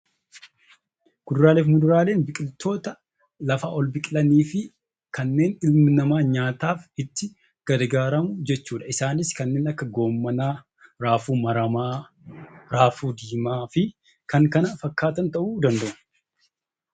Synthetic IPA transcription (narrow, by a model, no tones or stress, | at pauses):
ɡ̥ʊd̪ʊɾaːle̞ːfmʊd̪ʊɾaːle̞ːnbɪkʼɪlt̪o̞ːt̪ɐ | lɐfaːʔɔlbɪkʼɪlɐniːfɪ | kɐnːe̞ːnɪlmɪnɐmaːɲaːt̪aːfɪt̪ːɪ | ɡ̥ɐdɡaːɾɐmʊd͡ʒɛt͡ʃːuːᶑɐɪsaːnɪskɐnːe̞ːnɐkːɐɡo̞ːmːɐnaː | ɾaːfuːmɐɾɐmaː | ɾaːfuːd̪iːmaːfɪ | kɐŋkɐnɐfɐkːaːt̪ɐnt̪ɐʔuːd̪ɐnd̪ɐʔʊ